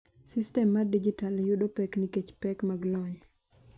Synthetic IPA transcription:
sistɛmːadid͡ʒitaljuɗopɛkniket͡ʃpɛkmaɡlɔɲ

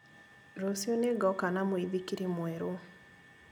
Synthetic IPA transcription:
ɾosjoneɡɔkanamoiðikiɾemwɛɾo

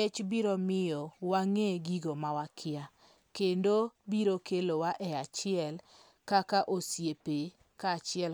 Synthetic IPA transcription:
et͡ʃbiɾomɪjɔwaŋeɡiɡomawakʰɪa | kendobiɾokelowaʔɛat͡ʃɪɛl | kakaʔosjepe | kat͡ʃɪɛl

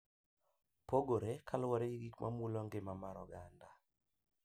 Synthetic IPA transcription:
poɡoɾekʰalwaɾeɡiɡikmʔa̰mulɔŋɡɪmamaɾɔ̰ɡanda

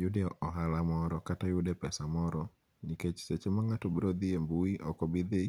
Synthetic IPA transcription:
jʊdɛɔɦalamɔɾɔkatajʊdepɛsamɔɾɔ | niket͡ʃset͡ʃemaŋatobɾod̪iembuiʔɔkɔbid̪e

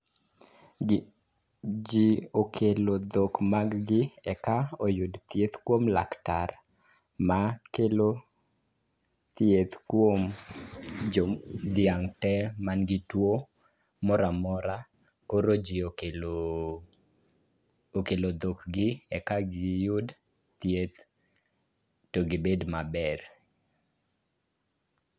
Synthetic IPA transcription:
d͡ʒiokʰelod̪okmaɡɡɪɛkaojudt̪jet̪kwomla̰ktar | makelo | t̪jet̪kwom | d͡ʒod̪ɪaŋtɛmanɡɪtwo | mɔɾamɔɾa | koɾod͡ʒiokelo | okelod̪okɡɪɛkaɡɪjʊd | t̪jet̪ | toɡɪbedmabɛɾ

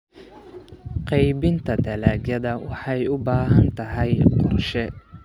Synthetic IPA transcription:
qɑjbɪnt̪ʰɐd̪ɐlaːɡjɐðɐwɑħɑjʊbaːɦɐnt̪ʰɐɦɐjqɔrʃɛ

